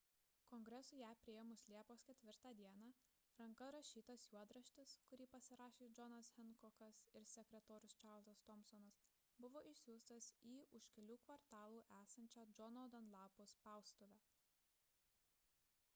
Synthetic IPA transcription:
kɔŋɡɾʲɛsʊːjæːpʲɾʲɪɛːmʊslʲiɛpoːskʲɛt̪ʲʋʲɪɾt̪ɑːd̪ʲiɛnɑː | ɾɐŋkɐɾɐʃʲiːt̪ɐsjuɔd̪ɾɐʃʲt̪ʲɪskʊɾʲiːpɐsʲɪɾɑːʃʲeːd͡ʒɔnɐshʲɛnkɔxɐsɪɾsʲɛkʲɾʲɛt̪oːɾʲʊst͡ʃɑɾlˠzɐst̪ɔmsɔnɐs | bʊʋoːʔɪʃʲsʲuːst̪ɐsiːʔʊʃʲkʲɛlʲuːkʋɐɾt̪ɑːlˠuːʔæːsɐnʲt͡ʃʲæːd͡ʒɔnɔːd̪ɐnlˠɑːpoːspɑˑʊst̪oːʋʲæː

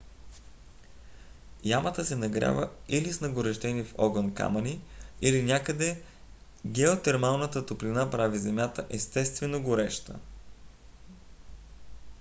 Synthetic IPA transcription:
jamət̪əsɛnɐɡɾʲa̰vəilisnɐɡoɾɛʃt̪ɛnifɔ̰ɡənka̰mɐniilinʲakəd̪ɛ | ɡɛot̪ɛɾmalˠnət̪ət̪oplinapɾavizɛmʲjat̪əʔɛst̪ɛst̪vɛnoɡoɾɛʃt̪ə̰

